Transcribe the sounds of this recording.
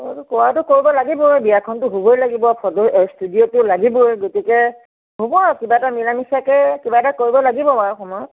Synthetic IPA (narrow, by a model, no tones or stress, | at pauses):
tʊkɔwatʊkoɹibɔlaɡibɔbijakʰɔntʊɦubojlaɡibɔpʰɔdɔstudiotʊlaɡibɔjɡotikɛ | ɦubɔkibatamilamisakɛkibatakoɹibɔlaɡibɔpaɹɔxɔmɔjɔt̚